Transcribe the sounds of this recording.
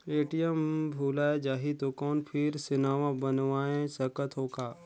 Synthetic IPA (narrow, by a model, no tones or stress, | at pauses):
eːʈijəmbʱuːlaːed͡ʒaːɦit̪okɔːnpʰɪɾsɪnaːʋãbənʋaːẽsɐkət̪ɦoːkaː